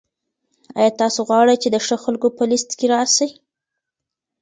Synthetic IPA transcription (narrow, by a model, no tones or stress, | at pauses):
ɑ̰jɑt̪ɑsoɣwɑɽəjt͡ʃed̪əʂəxalkopəlist̪keɾɑsaj